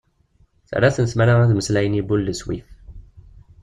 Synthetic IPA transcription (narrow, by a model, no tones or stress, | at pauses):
θə̰ɾaθənəsmæɾaæðməslæjənibulːəswif